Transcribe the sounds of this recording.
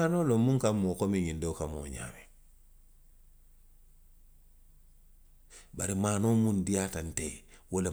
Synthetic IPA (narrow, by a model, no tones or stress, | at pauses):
anolomuŋkamokomiɲindokamo̰ɲa̰ːme | baɾimaːnoːmundijatantewole